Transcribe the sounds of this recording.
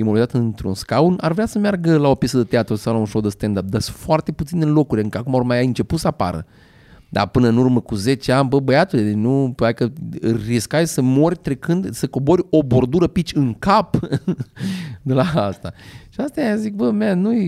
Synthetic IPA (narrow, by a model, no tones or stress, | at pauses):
imolizat̪ɨnt̪ɾṵnskaunarvɾeasəmearɡəlao̞pʲjesəd̪ət̪eat̪ɾosawlaunʃowd̪əst̪end̪ap̚d̪asu̥foart̪e̞put̪sinelo̞kuɾʲlɨŋkəakumaormajjɨnt͡ʃe̞put̪səapa̰ɾə̰ | d̪a̰pɨnəɨnurməkuze̞t͡ʃeanʲbəbəjat̪uled̪enupat̪ekəriskajsəmo̞rʲt̪ɾe̞kɨnd̪səko̞bo̞ɾʲo̞bo̞rd̪uɾəpit͡ʃʲɨŋkap | d̪elaast̪a̰ʃiast̪ajazik̚bəmeanuj